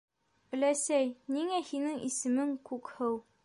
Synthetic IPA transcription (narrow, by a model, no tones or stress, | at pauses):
ɘ̆læsæjniŋæhinɘŋʔisɘ̆mɘŋkʉkhɤw